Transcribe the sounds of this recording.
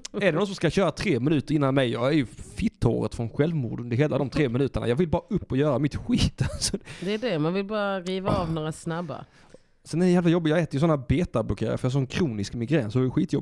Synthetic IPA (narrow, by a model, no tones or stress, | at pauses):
æɖɛnɔt̪sɔmskaɕœːɾat̪ʰɾeːmɪnʉ̟ːt̪əɾɪnːanmɛjjɑːɡæɾjɵfɪt̪ʰːo̰ːɾə̰t̪fɾɔnɧɛlvmṵːɖənd̪əɾɦeːlad̪ɔmt̪ʰɾeːmɪnʉ̟ːt̪əɳajɑːɡvɪlbɑːɾaʔɵpːɔjœːɾamɪt̪ɧiːt̪sɔd̪ɛːɖɛmanvɪlbɑːɾaɾiːvaɑːvnoːɾasnabːa̰ | sɛnɛɾjjɛːlvajɔbːɪtjɑːɡɛːt̪əɾjəsɔnːaːɾbeːt̪ablɔkʰeːɾa̰fœjɑsɔːɛnkʰɾuːnɪskmɪɡɾɛːnsɔɛjɧiːt̪jɔbɪ